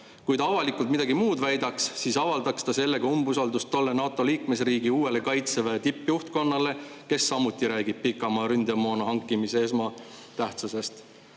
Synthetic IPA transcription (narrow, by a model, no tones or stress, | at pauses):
kujt̪ɑɑvɑlikˑult̪mid̪̥ɑɡimuːd̪væjd̪ɑksːiːsɑvɑld̪ɑkst̪ɑse̞lːe̞ɡ̥ɑumbusɑld̪ust̪ːo̞lːe̞nɑːt̪ːˑo̞liːkme̞sriːɡiuːe̞le̞kɑjt̪seveet̪ipːˑjuht̪ko̞nːɑle̞ke̞sːɑmut̪ːˑiɾæːɡ̥ib̥̚pikːˑɑmɑɾynd̪emoːnɑɦɑŋkːˑimisee̞smɑ | t̪æht̪suse̞st̪